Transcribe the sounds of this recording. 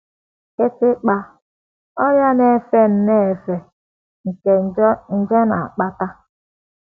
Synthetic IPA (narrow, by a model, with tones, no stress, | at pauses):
ke˦tɪ˦k͡pa˦ | ɔ˦ɾja˦ne˦˨fe˦n̩˦ne˦e˨fe˨ | ŋ̩˨ke˨n̩˨d͡ʒɔ˦na̰˨a˨k͡pa˦ta˦